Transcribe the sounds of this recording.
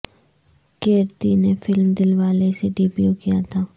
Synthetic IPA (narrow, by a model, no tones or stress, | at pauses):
keːɾt̪inefɪlmd̪ɪlʋaːleseɖɪbjukijat̪ʰaː